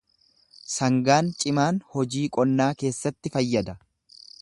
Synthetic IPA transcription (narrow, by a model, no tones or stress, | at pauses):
sɐŋɡaːnt͡ʃʼɪmaːnhɔd͡ʒiːkʼɔnːaːke̞ːsːɐt̪ːɪfɐjːɐd̪ɐ